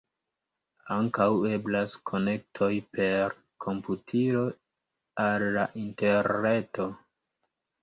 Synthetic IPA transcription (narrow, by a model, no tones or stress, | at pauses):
aŋkawe̞blaskʰo̞ne̞k̚tʰo̞jpʰe̞ɾ | kʰo̞mputʰiɾo̞ | alːaʔinte̞ɾne̞to̞